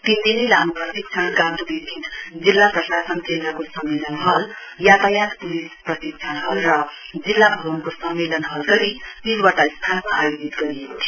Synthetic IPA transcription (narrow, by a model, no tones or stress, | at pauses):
p̪ind̪inilanuprʌsik̚t͡ʃʰʌnkãnt̪ubibʱid̪d͡zilːaprʌsasʌnt͡senʌkosʌmːelʌnɦʌljat̪ajãt̪pulisprʌsik̚t͡sʰʌnɦʌlrʌd͡zilːabʱʌbʌnkosʌmːelʌnɦʌlɡʌɾisilwaʈaist̪ʰanmaːjod͡zit̪ɡʌɾijekot̪ʰi